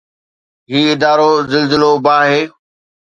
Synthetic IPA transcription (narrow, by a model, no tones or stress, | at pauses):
ɦiːɪd̪aːɾoːzɪlzɪloːbaːɦeː